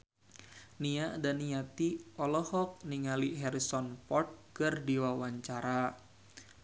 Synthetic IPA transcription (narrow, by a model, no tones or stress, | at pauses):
niaʔdaniat̪iɔlɔhɔk̚niŋaliɦɛɾisɔnpɔrt̪̚kɨrdiwawaɲt͡ʃaɾa